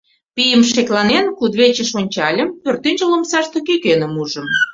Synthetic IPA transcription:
pijəmʃ̬eklɑnenkud̪βet͡ɕəʃonʲt͡ɕɑlʲə̆mpørt̪inʲt͡ɕəlomsɑʃt̪əkykenə̆muʒə̆m

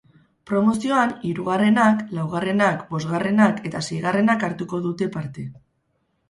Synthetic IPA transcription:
pɾo̞mo̞sio̞aniɾuɣ̞are̞naklawɣ̞are̞nakbo̞zɣare̞nake̞t̪asejɣ̞are̞nakaɾt̪uko̞ðut̪e̞paɾt̪e̞

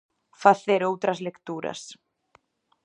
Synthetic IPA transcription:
θaθɛɾoːwt̪ɾaslekt̪uːɾa̰s

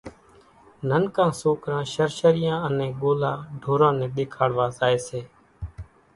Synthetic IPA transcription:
nənkãːsoːkɾãːʃəɾʃəɾɪjãːənɛ̃ːɠoːlaːɖʱoːɾãːnɛ̃ːɗeːkʰaːɽʋaːzaːeːseː

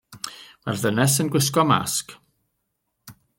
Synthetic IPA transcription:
marðənɛsənɡwɪs̬kɔma̰sk

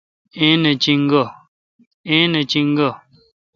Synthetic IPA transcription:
ẽnət͡ʃiŋ̩ɡɔ | ẽnət͡ʃiŋ̩ɡɔ

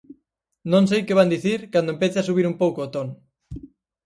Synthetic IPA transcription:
nõŋs̬ejkeβ̞and̪iθiɾkand̪oempeθeasuβiɾumpowkoːt̪oŋ

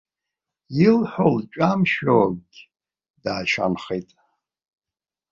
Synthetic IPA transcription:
jilħʷolt͡ʃʷʼamʃoɡʲ | daːʃa̰nχetʼ

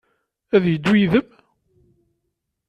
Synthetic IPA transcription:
æðjəd̪ːwiðəm

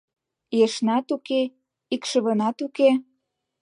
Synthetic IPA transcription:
jeʃnɑt̪uke | ikʃə̆βɤ̆nɑt̪uke

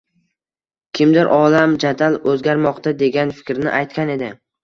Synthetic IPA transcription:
kʲʰɪmd̪ɪɾʔɒlamd͡ʒad̪alɵzɡʲaɾmɒqt̪ʰad̪e̞ɡʲanfɪ̥kʲɾnɪ̰ʔajt̪̚kʲane̞d̪ɪ

